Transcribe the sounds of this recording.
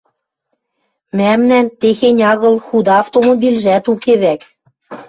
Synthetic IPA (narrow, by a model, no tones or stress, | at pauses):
mæmnænt̪exenʲɑɣɤ̆lxud̪ɑɑft̪omobilʒæt̪ukeβæk